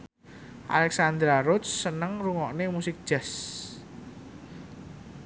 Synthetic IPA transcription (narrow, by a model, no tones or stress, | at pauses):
ʔa̰lɛksand̪ɾaɾʊt̪sːənəŋruŋɔʔnemusɪk̚d̥ʒ̥ɛs